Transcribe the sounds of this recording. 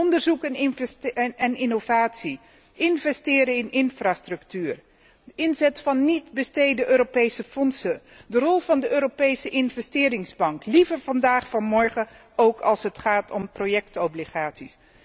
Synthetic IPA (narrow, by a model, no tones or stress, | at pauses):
ɔndəɹzukɛnɪnvɛnɪnovaːtsi | ʔɪnvɛstɪːɾəɪnɪnfraːstrɵktyːr | əɪnzɛtfɑnːitbəstejdəʔøːɾopejsəfɔnsə | dərɔlˠv̥ɑndəʔøːɾopejsəʔɪnvɛstɪːɾɪŋzbɑŋklivəɹvɑndaːχfɑnmɔɹχə | owkʰɑlˠsɦətχaːtʰɔmprojɛktɔbliχaːtsis